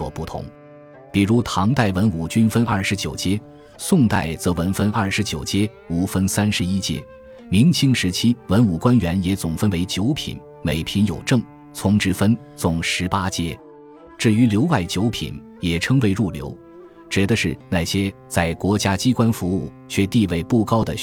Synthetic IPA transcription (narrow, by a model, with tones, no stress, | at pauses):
wɔ̰˨˩pu˥˩t̪ʰʊ̰˧˥ŋ | pi˨˩ɻu˧˥t̪ʰɑ˧˥ŋt̪a˥˩ɪwə˧˥nu˨˩t͡ɕy˥nfə˥nɐ˞˥˩ʂɻ̩˧˥t͡ɕjo˨˩ʊt͡ɕjɛ˥ | sʊ˥˧ŋt̪a˥˩ɪt͡sɤ˧˥wə˧˥nfə˥nɐ˞˥˩ʂɻ̩˧˥t͡ɕjo˨˩ʊt͡ɕjɛ˥ | u˨˥˩fə˥nsa˥nʂɻ̩˧˥i˥t͡ɕjɛ̰˥ | mi˧˥ŋt͡ɕʰi˥ŋʂɻ̩˧˥t͡ɕʰi˥wə˧˥nu˨˩kwa˥nɥɛ˧˥njɛ˧˥t͡sʊ˨˩ŋfə˥nwe˧˥ɪt͡ɕjo˧˥ʊpʰḭ˨˩˦n | me˨˩ɪpʰi˧˥njo˨˩ʊʈ͡ʂɤ˥˩ŋ | t͡sʰʊ˧˥ŋʈ͡ʂɻ̩˥fə˥n | t͡sʊ˨˩ŋʂɻ̩˧˥pa˥t͡ɕjɛ˥ | ʈ͡ʂɻ̩˥˩y˧˥ljo˧˥ʊwa˥˩ɪt͡ɕjo˧˥ʊpʰḭ˨˩n | jɛ˨˩ʈ͡ʂʰɤ˥ŋwe˧˥ɪɻu˥˩ljo̰˧˥ʊ | t͡ɕɥɛ˧˥d̪ə˧ʂɻ̩˥˧na˥˩ɕjɛ˥t͡sa˥˩ɪkwɔ˧˥t͡ɕja˥t͡ɕi˥kwa˥nfu˧˥u˥˩t͡ɕʰɥɛ˥˧t̪i˥˧we˥˩ɪpu˥˩kɑ˥ʊd̪ə˨